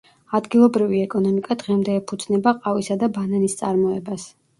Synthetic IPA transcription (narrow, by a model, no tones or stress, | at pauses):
ad̪ɡilˠɔbɾiviɛkʼɔnɔmikʼad̪ʁɛmd̪ɛːpʰud̪z̥nɛbaqʼavisad̪abananist̪sʼaɾmɔɛbas